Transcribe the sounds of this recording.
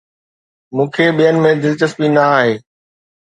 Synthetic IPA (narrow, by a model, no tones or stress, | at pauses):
mũːkʰeːɓijənɪ̆mẽd̪ɪlt͡ɕəsbinaaːɦeː